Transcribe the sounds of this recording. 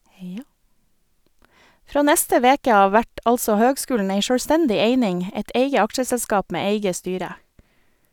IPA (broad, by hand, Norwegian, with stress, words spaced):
ˈfɾoː ˈnɛstə ˈʋeːkə ˈɑːʋ ˈʋæʈ ˈɑlsɔ ˈhøːɡˌskʉːln̩ ˈæɪ ʃøːɽˈstɛndɪ ˈeɪnɪŋ ə ˈɛt ˈeɪɡə ˈɑkʃəsɛlˌskɑːp ˈmeː ˈeɪɡə ˈstyːɾə